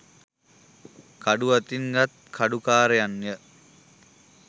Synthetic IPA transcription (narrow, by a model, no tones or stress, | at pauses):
kaɖuʋat̪iŋɡat̪̚kʰaɖukaːɾejanjə